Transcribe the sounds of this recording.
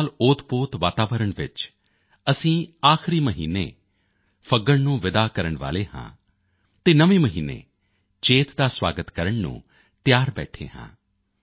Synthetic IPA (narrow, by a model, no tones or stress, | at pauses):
lʊːt̪poːt̪ʋaːt̪aːʋəɾəɳʋɪt͡ʃ | əsĩːaːxɾiːməɦḭːnḛː | pʰəɡəɽnũːʋɪd̪aːkəɾəɳʋa̰ːleːɦã̰ː | t̪eːnəʋeːməɦiːnḛː | t͡ʃeːt̪d̪aːsʋa̰ːɡət̪kəɾəɳnṵ̃ː | t̪jaːɾbɛ̰ːʈʰḛːɦã̰ː